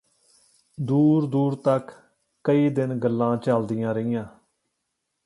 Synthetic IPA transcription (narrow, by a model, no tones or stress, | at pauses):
d̪uːɾd̪uːɾt̪əkː | əiːd̪ɪnɡəlːãːt͡ʃəld̪ɪjãːɾəɪjãː